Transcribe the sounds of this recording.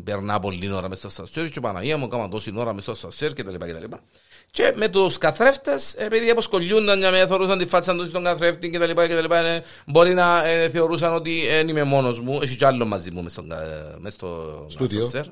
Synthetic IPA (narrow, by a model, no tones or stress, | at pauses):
peɾnapolːinoɾɐmest̪ost̪ɐ̰sːeɾt͡ʃepana̰iɐmːukomɐnt̪osinoɾɐmest̪ost̪ɐsːeɾcet̪ɐlipacet̪ɐ̰lipa | cemet̪uskaθɾeft̪esepiðiɐposkoʎːund̪ɐɲɲamenɐθeɾus̬ɐnd̪ifːasɐnt̪osist̪oŋɡɐθɾeft̪iŋcet̪ɐlipaket̪ɐlipane | bo̞ɾinɐθeoɾus̬ɐnot̪̬ienimemo̞nozmueʃit͡ʃealːomːɐzimːumest̪oŋɡ̰mest̪o̰ɡasioseɾ